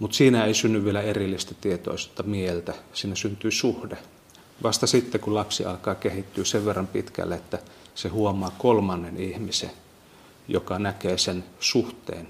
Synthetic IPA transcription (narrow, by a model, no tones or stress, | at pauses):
mut̪siːnæeisynːyʋʋielæerilːist̪æt̪iet̪o̰ˑist̪ːɑmiehelt̪æsiːnæsynt̪yːsuhde | ʋɑst̪ɑsit̪ːekulɑpsiʔɑ̰lkɑːkehit̪ːyːseʋʋerːɑmpit̪kæ̰lːeet̪ːæsehuomˑɑːkolmɑnːenihmisḛ | jo̰kɑnækeːsensuht̪ḛːn